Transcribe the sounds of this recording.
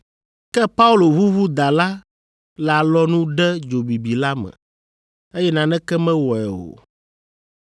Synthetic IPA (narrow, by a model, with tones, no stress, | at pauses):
kɛ˦pa˦u˦lo˨βu˦βu˦d̪a˨la˦ | la˨lɔ˦nũ˦ɖɛ˦d͡ʒo˨bi˨bi˨la˦mɛ̰̃˨ | e˦jɛ˦nã˨nɛ̃˦kɛ˦mɛ̃˦wɔ˨ɛ˨o̰˨